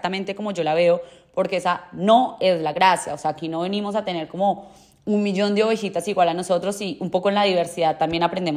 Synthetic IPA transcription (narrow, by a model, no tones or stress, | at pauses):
t̪amẽ̞nt̪e̞ko̞mo̞ʝo̞laβ̞e̞opo̞ɾkeesano̞e̞zlaɣɾasjaose̞akino̞βe̞nimo̞s̬at̪e̞ne̞ɾko̞mo̞ | unmiʝo̞nd̪eo̞βe̞xit̪asiɣwalano̞so̞t̪ɾo̞siumpo̞koenlaðiβe̞ɾsiðaðt̪ambje̞napɾend̪em